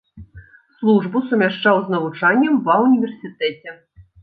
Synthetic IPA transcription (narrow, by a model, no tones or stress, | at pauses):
slˠuʐbusumʲaʂt͡ʂawznɐvut͡ʂanʲːɐmvɐwnʲivʲɛrsʲit̪ɛt͡sʲɛ